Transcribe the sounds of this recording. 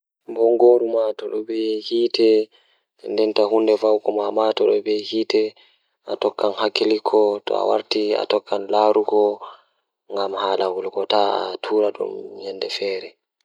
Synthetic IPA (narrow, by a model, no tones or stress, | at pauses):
bɔŋɡoːɾumatɔɗɔbɛhiːtɛ | ɛndɛntaɦundɛvawkɔmamatɔɗɔbɛhiːtɛ | ʔatɔkːanhakːilikʰɔtɔ̰a̰wa̰ɾtia̰tɔkːanlaːɾuɡɔ | ŋɡamhaːlahulɡɔtaa̰tʰuːɾaɗṵmhɛnːdɛfɛːɾɛ